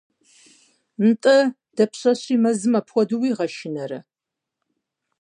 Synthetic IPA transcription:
n̩tʼɐ | d̥ɐpʰɕʼɐɕʼiːmɐzɨmɐpʰxʷɔdɨwiːʁɐʃɪnɐɾɐ

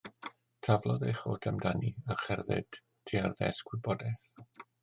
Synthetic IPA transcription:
tʰavlˠɔðejχoːtʰəmdaniaχɛrðɨ̰d̥ | tʰːiarðɛ̰sɡwɪbɔdɛθ

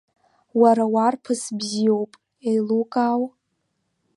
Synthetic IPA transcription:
waɾawarpʰɨsbzio̞wpʼ | ejlukʼaw

